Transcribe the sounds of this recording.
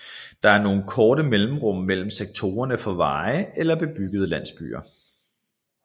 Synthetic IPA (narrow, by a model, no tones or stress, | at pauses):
d̥ɑ̈æɐno̝ːn̩kʰɒːɾəmelm̩ʁɔ̽m̰ːel̰m̩seɡ̥̚t͡sʰo̝ːɐnəfɒ̽ʋɑ̈ːɪelɐb̥e̝b̥yɡ̥əð̞ˠəlæn̰sb̥y̰ːɐ